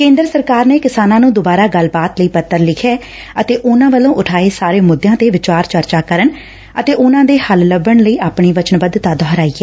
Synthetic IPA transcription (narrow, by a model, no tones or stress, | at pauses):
kẽːnd̪ɾəsəɾkaːɾneːkɪsaːnãːnũːd̪obaːɾaːɡəlbaːt̪ləiːpət̪ːəɾlɪkʰɛː | ət̪eːʔʊnãːʋəlõːʔʊʈʰaːeːsaːɾeːmʊd̪ːjãːt̪eːʋɪt͡ʃaːɾt͡ʃəɾt͡ʃaːkəɾən | ət̪eːʔʊnãːd̪eːhəlləbəɳləiːaːpɳiːʋət͡ʃənʋəd̪t̪aːd̪ɔɦəɾaːiːɛː